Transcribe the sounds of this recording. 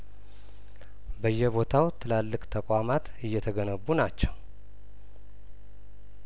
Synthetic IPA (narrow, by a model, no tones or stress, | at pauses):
bəjːɛβo̞t̪ʰawt̪ʰɨlalːɨkʼt̪ʰəkʷʼamat̪ | ɨjːɛt̪ʰəɡənəβunat͡ʃːɛw